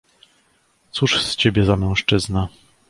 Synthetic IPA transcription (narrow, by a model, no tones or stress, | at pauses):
t̪suʂst͡ɕebʲjɛzamɛ̃w̃ʂt͡ʂɘzna